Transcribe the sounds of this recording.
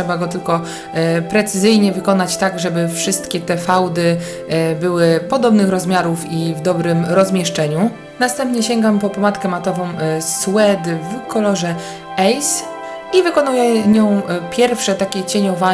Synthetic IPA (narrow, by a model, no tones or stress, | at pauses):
ɛbaɡɔt̪ɘlkɔ | pɾɛt̪sɘzɘjɲɛvɘkɔnat͡ɕt̪aɡʐɛbɘfʂɘst̪kʲɛt̪ɛfawd̪ɘ | bɘwɘpɔd̪ɔbnɘxɾɔzmʲjaɾufivd̪ɔbɾɘmɾɔzmʲjɛʂt͡ʂɛɲu | nast̪ɛmpɲɛɕɛŋɡampɔpɔmat̪kɛmat̪ɔvɔ̃w̃swɛd̪vkʰɔlɔʐɛ | ɛjs | ivɘkɔnujɛɲɔ̃w̃pʲjɛɾfʂɛt̪akʲɛt͡ɕeɲɔva